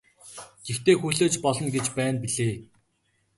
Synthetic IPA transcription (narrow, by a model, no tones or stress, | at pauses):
ɡ̥ext̪eːxuɮoːt͡ɕpɔɮɞ̆nɡet͡ɕpæːnpiɮeː